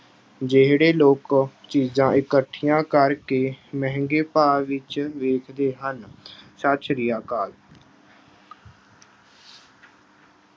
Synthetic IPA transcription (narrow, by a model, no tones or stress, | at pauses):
d͡ʒeɦɽeːloːkt͡ʃiːzãːʔɪkəʈʰːijãːkəɾkeːmɛɦŋɡeːpaːʋɪt͡ʃʋeːkʰd̪eːɦənsət͡ʃɾɪjaːkaːl